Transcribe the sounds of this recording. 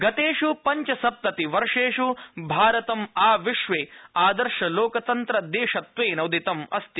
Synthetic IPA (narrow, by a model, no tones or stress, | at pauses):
ɡɐt̪eːʂupɐɲt͡ʃɐsɐp̚t̪ɐt̪iʋɐɾʂeːʂubʱaːɾɐt̪ɐmaːʋiʃʋeːaːd̪ɐɾʂɐloːkɐt̪ɐnt̪ɾɐd̪eːʂɐt̪ʋeːnɐwd̪it̪ɐmɐst̪i